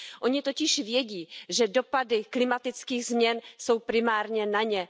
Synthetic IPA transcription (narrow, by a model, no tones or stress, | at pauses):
ʔo̞ɲɪt̪o̞cɪʃvjɛɟiːʒɛdo̞padɪklɪmat̪ɪt͡skiːɣzmɲɛnso̞wpɾɪmaːɾɲɛnaɲɛ